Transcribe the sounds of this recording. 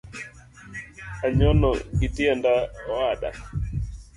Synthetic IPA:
aɲɔnɔ̰ɡitiandaaɗa̰

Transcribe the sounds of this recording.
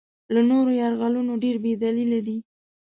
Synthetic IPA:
lanoɾojɑɾɣalunoɖeɾbed̪alilad̪i

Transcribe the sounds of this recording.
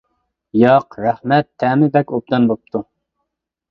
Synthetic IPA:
jɑqɾæhmɛt̪ʰːɛːmɪbɛkʲop̚d̪ɑnbop̚t̪ʰu

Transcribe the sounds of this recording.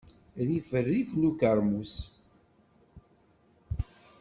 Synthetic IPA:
ɾifərːifnukaɾˤmus

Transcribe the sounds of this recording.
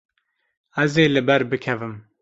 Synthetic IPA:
ɛzeːlɨbɛɾbɨkʰɛvɨm

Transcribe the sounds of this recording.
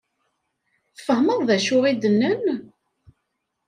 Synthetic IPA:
θfəhməðˤðæʃʊʁid̪ənːən

